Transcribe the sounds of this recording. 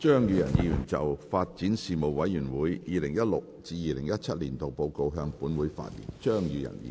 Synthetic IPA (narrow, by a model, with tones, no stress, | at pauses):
t͡ʃœː˥ŋjyː˨˧jɐ˨˩njiː˧jyː˨˩nt͡sɐ̰˨wfaː˧t̚t͡siː˨˥nsiː˨mo˨˩wwɐ˨˥jːyː˨˩nwuː˨˥jjiː˨˧lɪ˨˩ŋjɐ˥t̚lʊ˨k̚t͡siː˧jiː˨˧lɪ˨˩ŋjɐ˥t̚t͡sʰɐ˥t̚liː˨˩nt̪o˨wpo˨˧wko˧wɦœː˧ŋpuː˨˥nwuː˨˥jfa̰ː˧t̚lḭː˨˩nt͡ʃœː˥ŋjyː˧jɐ̰˨˩njḭ˧